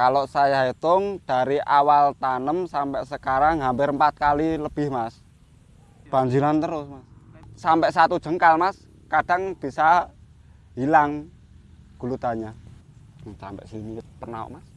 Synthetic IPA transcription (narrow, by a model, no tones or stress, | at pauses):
kalosajaɦet̪ʊŋd̥aɾiʔawalt̪anəmsampɛʔsəkaɾaŋɦampɪɾmpat̪̚kaliləb̥ɪhmas | b̥aɲd͡ʒiɾant̪əɾʊsmasːampɛʔsat̪ud̥ʒ̥ə̤ŋkalmas | kad̥aŋb̥isa | ɦilaŋ | ɡ̥ṳlut̪aɲa | sa̰mpɛ̰ʔsiniwət̪̚pərnaɔ̰ʔmas